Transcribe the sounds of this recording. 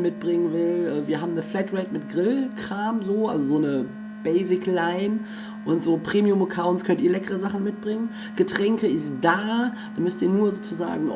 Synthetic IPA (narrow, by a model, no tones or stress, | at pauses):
mɪt̚b̥ʁɪŋənvɪlʔɛːviːɐɦaːbm̩nəflɛtʁɛtmɪtɡ̥ʁɪlkʁ̥aːmzoːʔa̰lzozoːnə | b̥ɛɪzɪklaɪn | ʔʊntz̥oːpʁ̥eːmiʊməkʰaʊnskʰœntiːɐlɛkəʁəzaχn̩mɪt̚b̥ʁɪŋən | ɡ̥ətʁ̥ɛŋkəɪstd̥ḁː | amʏstiːɐnuːɐzoːt͡suza̰ːɡŋ̩